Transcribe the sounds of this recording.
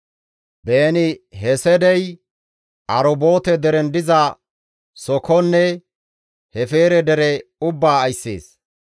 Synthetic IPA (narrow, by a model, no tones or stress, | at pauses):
beːnɪɦɛsɛd̪ɛj | ʔɐɾɔbo̞ːt̪ɛd̪ɛɾɛnd̪ɪzɐ | sɔkɔnːɛ | hɛfeːɾɛd̪ɛɾɛʊbːaːjsːḛːs